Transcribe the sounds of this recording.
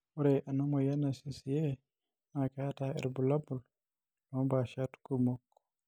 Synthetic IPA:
ɔɾɛʔanamɔjanːasisijɛ | nakaːtaɛ̰ɾbulabul | nɔbaʃatkumokːɔ̥

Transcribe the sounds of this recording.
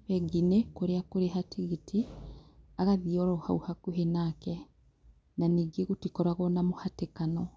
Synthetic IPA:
βɛɡinekoɾeakoɾeɦatʰiɣitʰi | aɣaðiɔɾɔha̰uhakuɦenakɛ | naniːɡeɣotikɔɾwaɣɔnamohatekanɔ

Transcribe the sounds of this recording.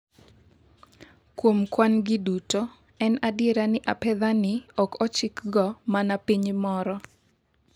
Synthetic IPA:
kwomkwanɡɪduto | ɛnadjeɾanɪʔapɛðanɪɔkʰɔt͡ʃɪkɡɔmanapiɲmɔɾɔ

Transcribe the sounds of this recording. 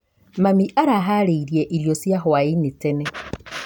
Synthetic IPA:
mamiʔaɾaɦaɾeiɾjeʔiɾjosjaɦoainitene

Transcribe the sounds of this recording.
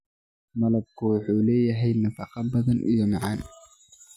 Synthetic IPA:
mɐlɐb̚kʰʊwʊħuːlɛːjɐɦɛjnɐfɑqɑbɐðɐnʔḭjɔmɑʕɑn

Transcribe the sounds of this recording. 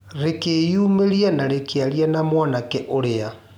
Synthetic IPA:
ɾekejuːmeɾianaɾekeaɾjanamwanakɛʔoɾea

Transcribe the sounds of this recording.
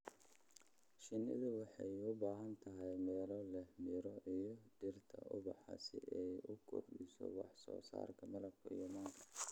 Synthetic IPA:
ʃɪnɪ̰ðʊwɑħɑjʊbaːɦɐnt̪ʰɐɦɛjmɛːlɔlɛhmɪɾɔʔijɔdɪrt̪ʰɐ̰ʔʊbɑħɑ̰sɪʔɛjʊɡʰɔrbḭsɔ̰wɑħsɔːsa̰ːrkʰɐmɐlɐbkʰʊḭjɔmaːŋkʰɐ̥

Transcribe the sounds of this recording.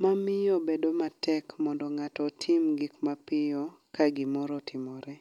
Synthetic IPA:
mamɪjɔbedomatɛkmɔndɔŋatɔtʰɪmɡikmapɪjɔ | kaɡɪmɔɾɔtɪmɔɾɛ

